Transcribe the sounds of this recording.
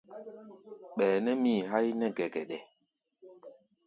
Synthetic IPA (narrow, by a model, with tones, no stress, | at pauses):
ɓɛː˨nɛ˦miː˦˨ɦa˦jnɛ˦ɡɛ˨ɡɛ˨ɗɛ˨